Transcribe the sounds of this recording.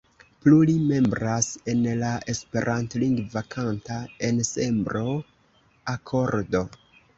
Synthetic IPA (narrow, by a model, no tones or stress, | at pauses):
plulime̞mbɾase̞nlaʔe̞spe̞ɾʔantliŋɡvakʰantae̞nse̞mbɾo̞ | akʰo̞ɾdo̞